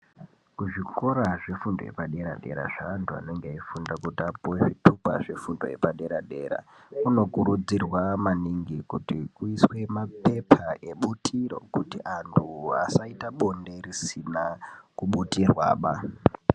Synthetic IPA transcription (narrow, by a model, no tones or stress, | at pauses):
kuʐiko̞ɾaʐe̞fundo̰je̞̰paɗe̞ɾa̰ɗe̞ɾa̰ʐaːntʰua̰no̞ŋɡeaifundakutapuweʐitʰupa̰ʐe̞fundoje̞̰paɗe̞ɾaɗḛːɾa̰ | uno̞kuɾud͡zirwamaniŋɡikutikuiswe̞mape̞pʰaeɓutʰiɾo̞̰kutiʔantʰua̰saitaɓo̞nde̞risinakuɓutirwa̰ːɓa